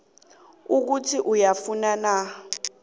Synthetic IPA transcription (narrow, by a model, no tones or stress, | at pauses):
uk̬utʰiʔujafunana